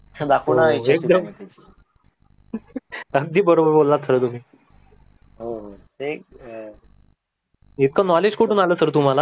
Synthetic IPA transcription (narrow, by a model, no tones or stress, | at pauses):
ət͡ɕʰad̪akʰonaiekd̪əm | əɡ̚d̪ʱiːbəɾobəɾbolːat̪t͡salət̪um̤iː | ɦoɦotek | it̪̚kʰanɔled͡ʑkoʈuːnaləːsəɾt̪um̤ala